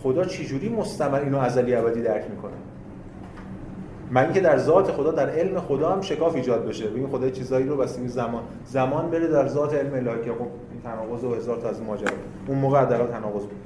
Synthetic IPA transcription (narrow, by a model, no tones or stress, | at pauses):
xo̞d̪ɒːt͡ʃʰed͡ʒuːɾiːmo̞st̪æmæliːnoæzæliæbæd̪iːd̪æɾcʰmiːkʰo̞næ̰ | mæiːŋcʰe̞d̪æɾzɒːt̪ʰexo̞d̪ɒːd̪æɾe̞lmexo̞d̪ɒːhæmʃe̞kɒːfiːd͡ʒɒːd̪̚be̞ʃebeɡinxo̞d̪ɒːjet͡ʃʰiːzɒːiːɾovæst̪iɡezæmɒːn | zæmɒːnbe̞ɾed̪æɾzɒːt̪ʰeelmeːlɒːhicʰexob̚ | int̪ʰænɒːɣo̞zohe̞zɒːɾt̪ʰɒæzinmɒːd͡ʒæɾɒ̰ː | unmoːɣeæd̪ːæːɣælt̪ʰænɒːɣo̞z